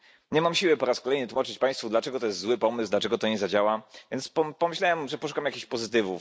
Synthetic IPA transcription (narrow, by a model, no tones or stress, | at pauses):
ɲɛmamɕiwɘpɔɾaskɔlɛjnɘt̪wumat͡ʂɘt͡ɕpaj̃st̪fud̪lat͡ʂɛɡɔt̪ɔjɛst̪zwɘpɔmɘsd̪lat͡ʂɛɡɔt̪ɔɲɛzad͡ʑawavʲjɛnt̪spɔpɔmɘɕlawɛmʐɛpɔʂu̥kamjakʲiɕpɔzɘt̪ɘvu